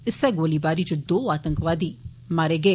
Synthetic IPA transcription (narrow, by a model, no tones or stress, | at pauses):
ɪsɛɡoːlibaːɾit͡ʃod̪oːaːt̪ə̃ŋkʋaːd̪iː | maːɾeːɡeː